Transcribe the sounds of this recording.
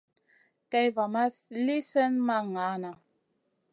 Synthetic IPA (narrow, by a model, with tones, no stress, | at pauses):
kɛ˦jva˨ma˦sli˦sə˦nma˦ŋa˨˦na˨